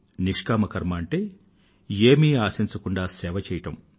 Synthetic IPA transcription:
niʂkaːmɐkɐɾmɐːɳʈeː | eːmiːaːsiɲt͡ʃɐkuɳɖaːsɛːʋɐt͡ʃɛːjɐʈɐm

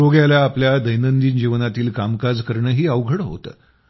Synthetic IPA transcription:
oɡjaljaːpljad̪əjnənd̪iːnd͡ʑiʋnat̪iːlkamkad͡zkəɾɳəːɦiːəʋɡʱəɽɦo̰t̪ə̰ː

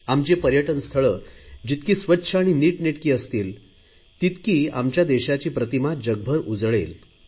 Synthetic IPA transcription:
amt͡ɕepəɾjəʈənst̪ʰəɭəːd͡ʑit̪kiːsʋətːɕʰəaɽ̃iniːʈneʈkiːəst̪iːl | t̪it̪kiːamt͡ɕjad̪ɛɕat͡ɕiːpɾət̪imad͡ʑəɡ̚bʱəɾud͡zɭel

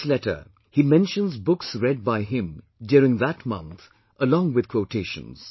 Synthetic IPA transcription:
slɛtə̰˞ | himɛ̃nʃə̃nzbʊksɹɛd̚baɪɦɪ̃m | djʊɾɪ̃ŋðætmʌ̰̃nt̪ | ʔəlɔ̃ŋwɨd̪̚kʰwoʊtʰeːʃə̰̃nz̥

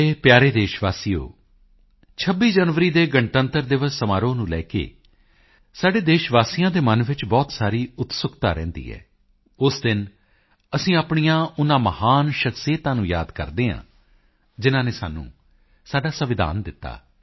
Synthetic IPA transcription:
eːpjaːɾeːd̪eːʃʋaːsijo̰ː | t͡ʃʰəbːiːd͡ʒənʋəɾiːd̪eːɡəɳʈənt̪əɾd̪ɪʋəssəmaːɾõːnũːlɛːkḛː | saːɖeːd̪eːʃʋaːsijãːd̪eːmənʋɪt͡ʃbɔːt̪saːɾiːʊt̪sʊkt̪aːɾɛ̰̃ːnd̪ḭːɦɛ̰ː | ʊsd̪ɪn | əsĩːaːpɳijãːʊnãːməhaːnʃəksieːt̪ãːnũːja̰ːd̪kə̰ɾd̪eːɦã̰ː | d͡ʒɪnãːneːsaːnːṵ̃ː | saːɖaːsəʋɪd̪a̰ːnd̪ɪt̪ːa̰ː

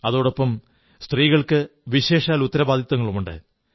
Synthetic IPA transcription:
ɐðo̞ːɽopːɐm | st̪riːɣɐɭkɨʋiɕe̞ːʂaːlut̪ːɐɾɐbaːd̪ʱit̪ːɐŋːɐɭumuɳɖɨ̰

